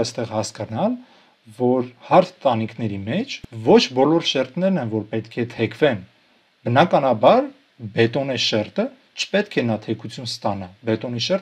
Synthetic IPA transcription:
jst̪ɛʁhɑskɑnɑl | vɔɾhɑɾt̪ʰt̪ɑnikʰnɛɾimɛt͡ʃʰvɔt͡ʃʰbɔlɔɾʃɛɾt̪nɛɾnɛnvɔɾpɛt̪kʰɛt̪ʰɛkʰvɛn | bənɑkɑnɑbɑɾ | bɛt̪ɔnɛʃɛɾt̪ə | t͡ʃʰə̥pɛt̪kʰɛnɑt̪ʰɛkʰut͡sʰjunst̪ɑnɑbɛt̪ɔniʃɛɾ

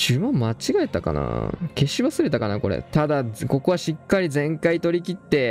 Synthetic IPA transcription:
ɕɨmãmmat͡ɕiɡaet̪aka̰na̰ke̞ɕiβasɨɾe̞t̪akanako̞̰ɾḛt̪ad̪ako̞ko̞βaɕikːaɾʲizẽ̞ŋkait̪o̞ɾʲikʲit̪ːe̞

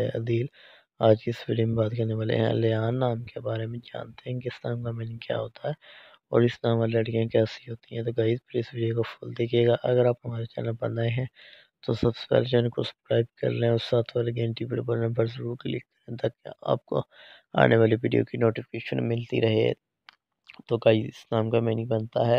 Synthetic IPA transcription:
ɛɐd̪iːl | aːd͡ʒkiɪsʋiːɖijomẽbaːt̪kɐɾneʋaːlḛɦɛ̰̃leaːnːaːmkebaːɾemẽd͡ʒa̰ːnt̪eɦɛ̃keɪsnaːmkameːnɪ̃ŋɡkja̰ːɦoːt̪aɦɛː | ɔːɾɪsnãːmaːɾilɐɽkijãkɛːsiɦoːt̪iɦɛ̃t̪̬oɡaːɪd̪pəɾɪsʋiːɖijokapʰoːld̪eːkʰeːɡaʔɐɡəɾaːpɦɐmaːɾet͡ʃɛ̰ːnəpɐɽnaeɦɛ̃ | t̪osɐbse̥pɛ̰ːled͡ʒɛːnkosɐ̥bkɾaːɪb̚kɐ̰ɾleɦɛ̃ɔɾsaːt̪ʰʋaːleɡẽːɳʈipəɽbɐɾnãbʱɐɾzɐɾuːɾkelɪkːɐɾẽt̪ɐkːa̰ːp̚ko̰ | a̰ːnʔeʋaːliʋiːɖijo̰kinoːʈifʰɪ̥keːʃə̰nmɪlt̪ḭɾɐɦḛ | t̪oɡaːizɪ̰snaːmkameːnɪ̃ŋɡbɐnt̪aɦɛː

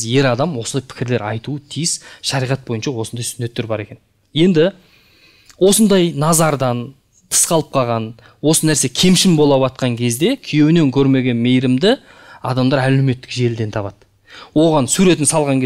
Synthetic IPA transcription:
je̞ɾɑd̪ɑmwo̞sənd̪ɑjpʰɪ̥kʲɪɾle̞ɾɑjt̪uət̪ʰijɪsʃɑɾijʁɑt̪̚bo̞jənʃɑwo̞sənd̪ɑjsɪne̞t̪ːe̞ɾbɑɾe̞kʲe̞n | je̞nd̪ɪ | wo̞sənd̪ɑjnɑzɑɾd̪ɑn | t̪ʰə̥sqɑlˠəp̚qʰɑlˠʁɑn | wo̞sənæɾse̞kʲʰe̞mʃɪmbo̞lˠɑβɑt̪̚qɑŋkʲʰe̞zd̪e̞kʲʰije̞wɪne̞ŋkʲʰɵɾme̞ɡʲe̞nme̞jɾɪmd̪ɪ | ɑd̪ɑmd̪ɑɾæleme̞t̪ːɪ̥kʒe̞ld̪e̞nt̪ʰɑβɑd̪̥ | wo̞ʁɑnsuɾe̞t̪ɪnsɑlˠʁɑŋkʲe

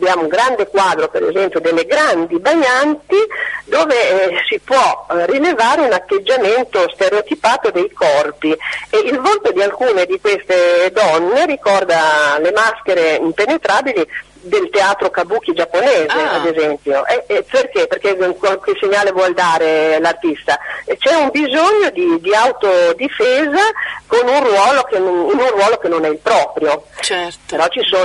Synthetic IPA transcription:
abjaːmouŋɡɾand̪ekwaːd̪ɾopeɾḛzɛmpjod̪elːeɡɾand̪ibaɲant̪id̪oːvesipwɔrilevaːɾeunat̪ːed͡ʒːament̪ost̪eɾeot̪ipaːt̪od̪ejkɔrpieilvolt̪od̪ialkuːned̪ikwest̪ed̪ɔnːeɾikɔrd̪alemaskeɾeimpenet̪ɾaːbili | d̪elt̪eaːt̪ɾokabuːk̟ːid͡ʒapːoneːzead̪ezɛmpjoʔɛperkeperkekwalkeseɲːaːlevwɔld̪aːɾelart̪ist̪at͡ʃɛumbizoɲːod̪id̪iawt̪od̪ifeːzakonunrwɔːlokeninunrwɔːlokenonɛilpɾɔːpɾjot͡ʃɛpeɾɔt͡ʃisoː

